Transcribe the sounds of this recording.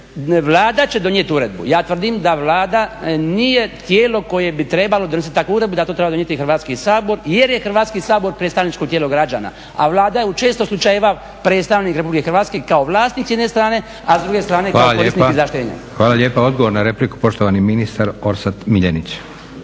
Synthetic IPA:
ʋlˠaːd̪at͡ɕed̪o̞njet̪uɾe̞d̪̚bṵjaːt̪ʋr̩d̪imd̪aʋlaːd̪anije̞t̪jeːlo̞ko̞je̞bit̪ɾe̞balo̞d̪onesit̪̚t̪akuuɾe̞d̪bud̪at̪ot̪ɾebad̪onjet̪ixrʋaːt̪skisaːbo̞ɾjeɾjexr̩ʋaːt̪skisaːbo̞ɾpɾet̪t̪aʋnit͡ʃkot̪jelo̞ɡɾad͡ʑa̰ːna̰ | a̰ʋlˠaːd̪ajeut͡ʃe̞ːst̪oslˠut͡ʃajeʋa | pɾet̪st̪aʋniːkɾe̞publikexɾʋat̪ske̞kaoʋlˠaːst̪niːksjd̪nest̪ɾaːne̞ | azd̪ɾuɡe̞st̪ɾaːne̞kaolakoisiizaʃt̪eːɲa̰xʋaːlaʎeːpao̞d̪ɡoʋoɾnaɾepliku̥po̞ʃt̪oʋaniminist̪aɾo̞ɾsat̪miʎenit͡ɕ

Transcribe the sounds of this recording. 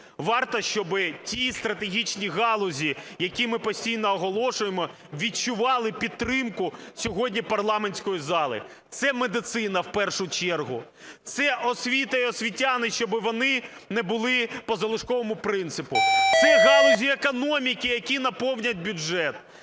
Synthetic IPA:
ʋɑrt̪ɔʃt͡ʃɔbɪtʲist̪ɾɐt̪eɦʲit͡ʃnʲiɣɑlˠɔzʲijɐkʲimɪpɔsʲtʲijnɔːɦɔlˠɔʃʊjemɔ | ʋʲit͡ʃʊʋɑlˠɪpʲid̪̚t̪ːɾɪmkʊsʲɔɦɔdʲnʲipɐrlˠɑmenʲsʲkɔjizɑlˠɪ̰ | t̪sɛmed̪ɪt̪sɪnɐwpɛrʃʊt͡ʃɛrɦʊ | t̪sɛʔɔsʲʋʲit̪ɐiɔsʲʋʲitʲanɪʃt͡ʃɔbɪʋɔnɪnɛbʊlˠɪpɔzɐlˠʊʃkɔʋɔmʊpɾɪnt̪sɪpʊt̪sɛɦɑlˠɔzʲiekɔnɔmʲikɪjɐkʲinɐpɔwnʲɐd̚ʲbʲʊʒɛt̪

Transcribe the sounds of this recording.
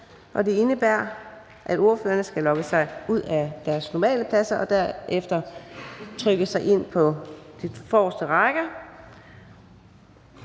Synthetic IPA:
ʔɒ̽d̥e̝e̝nəb̥æɐ̰ | ʔæd̥o̝ɐføːɐnəsɡ̥ælɒ̽ɡ̥əsɑ̈ɪuð̞̰ˠæd̥æɐsnɒmɛ̰ːləpʰlæsɐʔɒ̽d̥æɐ̰ʔefd̥ɐ | t͡sʰʁœɡ̥əsɑ̈ɪʔe̝n̰pʰɒ̽d̥ifɒːsd̥əʁɑɡ̥ɐ

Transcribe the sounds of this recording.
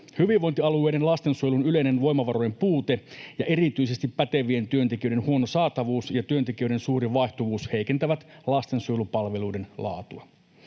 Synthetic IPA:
hyʋiʋʋo̞jnt̪iɑlue̞jɾenlɑst̪ensuojlunyle̞jnenʋo̞jmɑʋɑɾo̞je̞mpuːt̪e̞jɑʔe̞rit̪yise̞st̪ipːæt̪e̞ʋie̞nt̪yø̞nt̪ekiøɾe̞nhuo̞nosɑːt̪ɑʋuːsjɑt̪yønt̪ek̟iøɾensuːɾiʋɑjht̪uʋuːshe̞jkent̪æʋæt̪lɑst̪e̞nsujlupɑlʋe̞luijde̞nlɑ̰ːt̪uɑ

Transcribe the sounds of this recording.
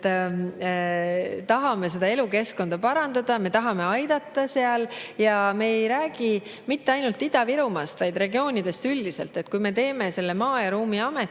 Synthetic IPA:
t̪ɑɦɑme̞se̞d̪ɑe̞luke̞sko̞nd̪ɑpɑɾɑnd̪ɑd̪̥ɑme̞t̪ɑɦɑme̞ɑjd̪̥ɑt̪ːɑse̞ɑljɑme̞ejɾæːɡ̥i | mit̪ːe̞ɑjnult̪ːid̪̥ɑviɾumɑst̪vɑjd̪re̞ɡio̞ːnʲid̪̥e̞st̪ylʲːise̞lt̪ːˑe̞t̪̚ːkujme̞t̪e̞ːme̞se̞lːe̞mɑːjɑɾuːmiɑme̞t̪ː

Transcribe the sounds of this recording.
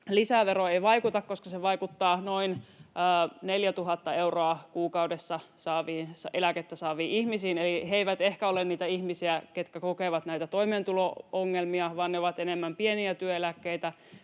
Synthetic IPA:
lisæʋeɾoeiʋɑikut̪ɑkkːoskɑseʋɑikut̪ːɑːnoinəːneljæt̪uɦɑt̪ːɑeuroɑkuːkɑudesːɑsɑːʋiːnsɑelæket̪ːæsɑːʋiːʔihmisiːneliɦeiʋæt̪ehkæolenniːt̪æihmisiæket̪kækokeʋɑt̪næit̪æt̪oiment̪ulooŋːelmiɑʋɑːnneoʋɑt̪enemːæmpieniæt̪yøelækːeit̪æ

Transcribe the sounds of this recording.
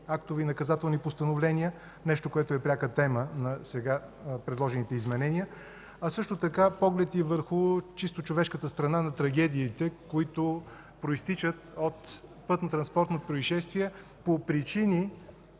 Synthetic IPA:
akt̪ʊvinɐkɐzat̪ɛlˠnipost̪ɐnovlɛniə | nɛʃt̪okoɛt̪oɛpɾʲakət̪ɛmənɐsɛɡa | pɾɛd̪lˠɔʒɛnit̪ɛizmɛnɛniə | ɐsɤʃt̪ot̪ɐkapɔɡlɛt̪ivəɾxʊt͡ʃist̪ot͡ʃovɛʃkət̪əst̪ɾɐnanɐt̪ɾɐɡ̟ɛd̪iːt̪ɛkoit̪ʊ | pɾoist̪it͡ʃət̪ot̪pɤt̪not̪ɾɐnspɔɾt̪not̪pɾoiʃɛst̪viɛ | popɾit͡ʃini

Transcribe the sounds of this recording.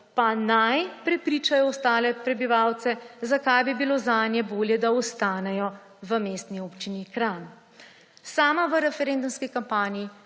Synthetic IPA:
panajpɾɛpɾiːt͡ʃajɔɔst̪aːlɛpɾɛbiʋawt̪sɛzakajbibilozaːnjɛboːljɛd̪aɔst̪aːnɛjɔ | ʋəmeːst̪nioːpt͡ʃinikɾan | saːmaʋəɾɛfɛɾend̪umskikampaːnii

